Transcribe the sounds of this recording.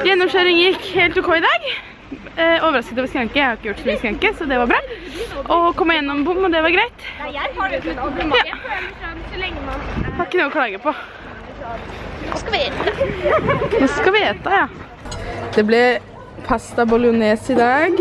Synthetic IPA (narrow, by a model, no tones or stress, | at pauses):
jɛnːɔmʃøːɾɪŋjɪkːheːlt̪ʉkʰɔɪd̪ɑːɡ | oːʋəɾɑskət̪ɔʋskɾɑŋkːəjæɪhɑɾɪkːəjʊʈːslɛŋːəskɾɑŋkəsɔd̪ɛʋɑɾbɾɑːʔɔkɔmːɪjɛnːɔmbʊmːɔd̪ɛʋɑɾɡɾæɪt̪ | jɑː | ɑkːənuːɔkʰlɑːɡəpɔ | nɔskɑʋɪeːt̪ɑjɑː | d̪̥ɛblɛ | pʰɑst̪ɑbɔlɪʊnɛːsɪd̪ɑːɡ